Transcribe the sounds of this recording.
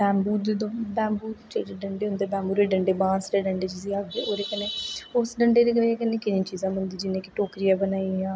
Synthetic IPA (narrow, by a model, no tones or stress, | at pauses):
bɛ̃ːmbuːd̪ed̪õːbɛ̃ːmbuːt͡ʃeɖeːɖəɳɖeːʊnd̪eːbɛ̃ːmbuːɾeːɖəɳɖeːbãːnsɾeːɖəɳɖeːt͡ʃiːziːaːɡd̪eːʔoːɾeːkəneːʊsɖəɳɖeːɾeːɡəleːkənẽːkɪnĩːt͡ʃiːzãːmənd̪iːd͡ʒɪnẽːkɪʈoːkɾijaːbənaːiãː